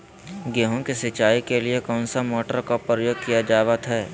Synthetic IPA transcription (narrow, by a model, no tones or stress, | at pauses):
ɡeːɦõkesɪt͡ʃaːikeliekɔ̃ːnsamɔːʈəɾkapɾəjoːɡ̚kijad͡ʒaːʋət̪ɦɛː